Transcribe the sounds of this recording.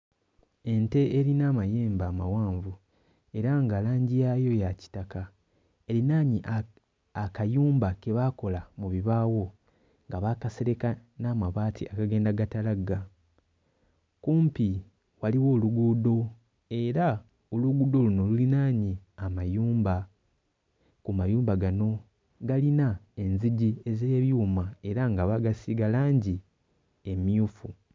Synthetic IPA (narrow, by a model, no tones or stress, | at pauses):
e̞nte̞eɾinaːmaje̞ːmbaːmawaːɱvu | e̞ɾaŋɡalaːɲɟijajo̞jaci̥taka | e̞linaːɲiʔa | akajuːmbake̞βako̞lamuβiβaːwo̞ | ŋɡaβakase̞ɾe̞kanaːmaβaːtʰḭakaɡe̞ːndaɡatalaɡa | kuːmpi | waliwo̞ːluɡudo̞ | e̞ɾa | oluɡuːdo̞luno̞lulinaːɲiamajuːmba | kumajuːmbaɡano̞ | ɡalinae̞nziɟieze̞ːβjumae̞ɾaŋɡaβaɡasiɡalaːɲɟi | emjuːfu